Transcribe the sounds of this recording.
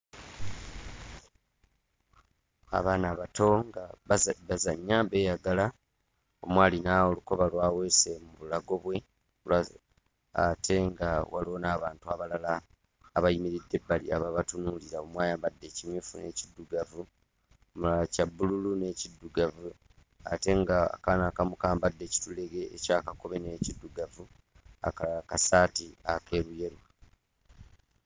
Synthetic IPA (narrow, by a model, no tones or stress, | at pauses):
a̰βaːnaβato̞ŋɡaβazaɲːaβe̞ːjaɡala | o̞̰mwaːlinaoluko̞βalwaːwe̞ːse̞muβulaɡo̞βwe̞ | la | a̰tʰe̞ŋɡawʔalo̞ːnaːβaːntuaβalalaː | βajimiɾidːe̞bːaliaβaβatunuliɾaomwaːjaːmbadːe̞ːcimjuːfune̞cidːuɡavu | omulalacabːululune̞ːcidːuɡavu | a̰te̞ŋɡa̰kanakamukaːmbadːe̞ːci̥tule̞ɡe̞ːcaːkako̞βe̞neːcidːuɡavu | a̰kakasaːtiake̞ːɾuje̞ɾu